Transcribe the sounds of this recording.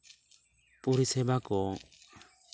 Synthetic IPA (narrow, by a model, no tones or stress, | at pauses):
puɾisɛbakɔ